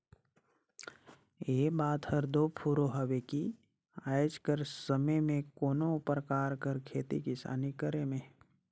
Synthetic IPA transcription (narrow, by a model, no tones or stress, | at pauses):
eːbaːt̪həɾd̪oːpʰuɾoɦəʋeki | aːjd͡ʒkəɾsəməjmẽkoːnoʊpɾəkaːɾkəɾkʰeːt̪ḭkɪsa̰ːnikəɾemẽ